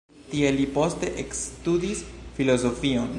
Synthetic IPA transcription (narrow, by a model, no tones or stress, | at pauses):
tie̞lipo̞ste̞ʔekstudisfilo̞zo̞fion